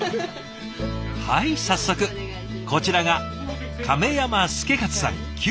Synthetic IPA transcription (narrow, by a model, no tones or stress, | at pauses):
haisasːo̞kɯ̟ | ko̞t͡ɕiɾaɡakʰame̞jamasɨ̥ke̞kat͡sɨ̥sã̰ŋkʲ